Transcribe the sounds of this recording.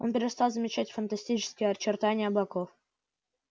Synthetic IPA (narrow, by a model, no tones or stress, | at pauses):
o̞npʲɪɾʲɪst̪alˠzəmʲɪt͡ɕætʲfənt̪ɐsʲtʲit͡ɕɪ̥skʲɪjəɐt͡ɕɪrt̪anʲɪjəblˠɐkof